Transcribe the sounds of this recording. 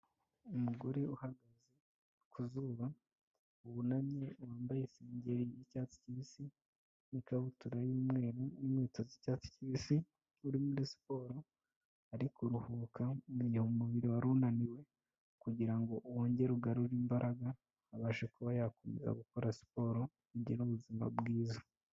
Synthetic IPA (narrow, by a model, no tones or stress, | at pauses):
umuɡo̞ɾeuhaɡaze | kʰuzuβa | uβunamɲewaːmbajeseːɲɟe̞ɾijicaːt͡si̥ciβisi | nikaβutuɾajiːmŋe̞ːɾonimŋiːtozicaːt͡si̥ciβisi | uɾimudesi̥po̞ːɾo̞ | aɾikuɾuhuːkʰaiihomuβiɾiwaɾunaniwe̞ | kuɟiɾaŋɡo̞ʔuwoːɲɟe̞ɾuɡaɾuɾiːmbaɾʔaɡaː | βaːʃekuβajaːkome̞̰za̰ɡuko̞ɾasi̥po̞ːɾo̞ | iɟiɾuβuzima̰bɡiːza